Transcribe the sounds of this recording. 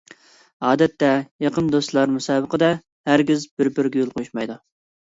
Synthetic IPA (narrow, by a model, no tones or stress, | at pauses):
ɑːd̪ɛt̪ːɛjɑqənd̪ost̪lˠɑɾmusɑːbəqəd̪ɛ | hæɾɡʲɪzbɪɾbɪɾɡʲɛjolˠqʰojuʃmɑjd̪u